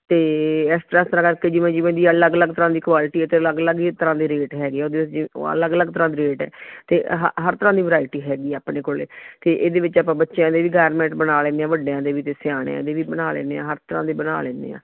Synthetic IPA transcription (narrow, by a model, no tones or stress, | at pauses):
t̪eːɛst̪ɾãːst̪əɾãːkəɾkeːd͡ʒɪʋẽːd͡ʒɪʋẽːd̪iːələɡələɡt̪əɾãːd̪iːkʋaːlʈiːɛːt̪eːələɡələɡit̪əɾãːd̪iːɾeːʈɦɛːɡeːɛːoːd̪eːʋɪt͡ʃɪ̰ə̰ləɡələɡt̪əɾãːd̪iːɾeːʈɛ̰ːt̪eːɦɦəɾt̪əɾãːd̪iːʋəɾaːɪʈiːɦɛːɡiːaːpneːkoːlḛːt̪eːʔeːd̪eːʋɪt͡ʃaːpãːbətːʃeãːd̪eːʋiːɡaːɾmɛ̃ːɳʈbənaːlẽːnd̪eːãːʋəɖeːãːd̪eːʋiːt̪eːsɪjaːɽḛːã̰ːd̪eːʋiːbənaːlḛːneːã̰ːɦəɾt̪əɾã̰ːd̪eːbəna̰ːlḛ̃ːnd̪ḛːã̰ː